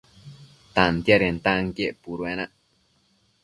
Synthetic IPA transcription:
t̪ant̪jaɾent̪aŋkjeʔpuɾwenaʔ

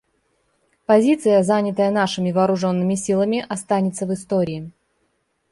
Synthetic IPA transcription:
pɐzʲit̪sɨjəzanʲɪt̪əjənaʂɨmʲɪvɐːɾʊʐo̞nːɨmʲɪsʲilˠəmʲɪʔɐst̪anʲɪt̪səvɨst̪oɾʲɪː

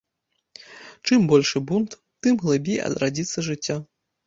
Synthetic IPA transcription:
t͡ʂɨmbɔlʲʂɨbunt̪ | t̪ːɨmɣlˠɨbʲejɐ̰d̪ɾad͡zʲit̪sːɐʐɨt͡sʲːa

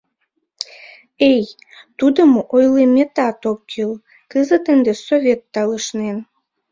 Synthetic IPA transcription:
ej | t̪ud̪əmoʔojlemet̪ɑt̪okːil | kəzət̪ənd̪esovʲet̪ːɑləʃnen

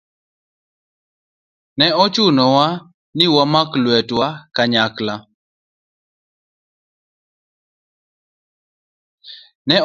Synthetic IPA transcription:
nɛɔt͡ʃʊnɔwa | nɪwamaklwɛtwakaɲakla | nɛ

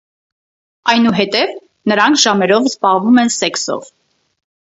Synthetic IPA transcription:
ɑjnuɦɛt̪ɛv | nəɾɑŋkʰʒ̥ɑmɛɾɔvzbɑʁvumɛnsɛksɔ̰v

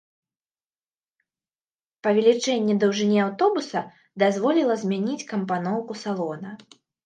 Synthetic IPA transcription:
pɐvʲɛlʲit͡ʂɛnʲːɛd̪ɐwʐɨnʲiawt̪ɔbusɐ | d̪azvɔlʲilˠɐzʲmʲanʲit͡sʲkɐmpanɔwkusalˠɔnɐ

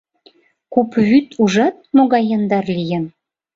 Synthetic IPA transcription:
kupβyt̪ʰuʒɑt̪̚moɣɑjɤnd̪ɑrlijə̆n

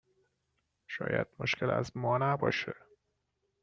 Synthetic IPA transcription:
ʃɒ̰ːjæ̰d̪̥̚moʃcʰelæ̰zmɒːnæbɒ̰ːʃe

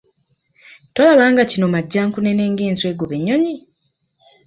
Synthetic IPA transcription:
tolaβaːŋɡacino̞maɟːaːŋkune̞ne̞ːŋɡeːnswe̞ːɡoβe̞ɲːo̞ɲi

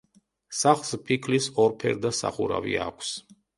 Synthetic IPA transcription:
saχlˠspʰikʰlisɔɾpʰɛɾd̪asa̰χuɾa̰vḭakʷʰs

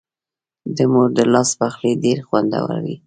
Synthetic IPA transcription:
d̪əmoɾd̪əlɑspaxleɖeɾxwand̪a̰wa̰ɾwḭ

